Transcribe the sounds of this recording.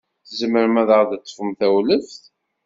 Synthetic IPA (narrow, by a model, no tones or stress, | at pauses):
θəzəməɾəmæðəʁd̪æt͡sːə̥fəmθæwləfθ